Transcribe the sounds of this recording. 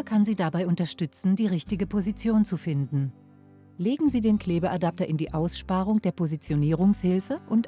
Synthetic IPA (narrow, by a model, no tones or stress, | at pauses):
kʰanziːdabaɪʔʊntɐʃtʏt͡sn̩diːʁɪçtɪɡəpʰozit͡sjoːnt͡sufɪndn̩ | leːɡŋ̩ziːdeːnkʰleːbəʔadap̚tɐʔɪndiːʔaʊsʃpaːʁʊŋd̥eːɐpʰozit͡sjoniːʁ̞ʊŋshɪlfəʔʊnt